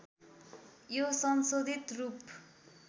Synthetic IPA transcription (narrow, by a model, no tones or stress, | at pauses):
josʌnsod̪ʱit̪rup